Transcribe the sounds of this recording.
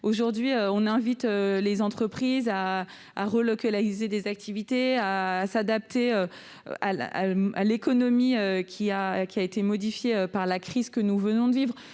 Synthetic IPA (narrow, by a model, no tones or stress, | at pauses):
oʒuʁd̪ɥiøɔ̃nɛ̃vit̪ølezɑ̃t̪χəpχiza̰ː | ʁəlɔkʲalaʁized̪ezak̚t̪ʰivit̪easad̪ap̚t̪eø | aa̰alekɔnɔmiøkʲʰiakʲiaet̪emɔd̪ifjeøpaʁlakχiz̥kənuvənɔ̃d̪əvivʁ